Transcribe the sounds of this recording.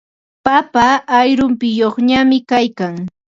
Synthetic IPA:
papaːjɾʊmpɪjoχɲamɪkajkaŋ

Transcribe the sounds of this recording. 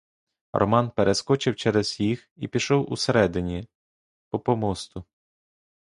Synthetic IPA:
rʔɔ̰mɑnpeɾeskɔt͡ʃɪwt͡ʃɛɾɛzjixipʲiʃɔwṵseɾɛd̪ɪnʲi | pɔpɔmɔst̪ʊ

